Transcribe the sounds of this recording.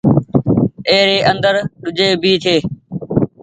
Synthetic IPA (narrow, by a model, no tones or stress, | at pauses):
eːɾeːʔə̃nd̪əɾɗʊd͡ʒeːbʱiːt̪ʰeː